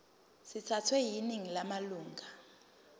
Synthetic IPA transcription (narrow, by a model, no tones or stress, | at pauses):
sitʰatʰwɛjiniŋilamaluːŋʱa